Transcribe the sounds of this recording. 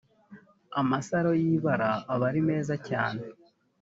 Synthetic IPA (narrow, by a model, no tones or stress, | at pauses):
amasaɾo̞jiːβaɾaːβaɾime̞ːzaca̰ːne